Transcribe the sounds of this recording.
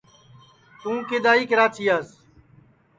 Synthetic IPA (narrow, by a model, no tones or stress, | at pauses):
t̪ũːkɪd̪aːiːkəɾaːt͡ʃiːaːs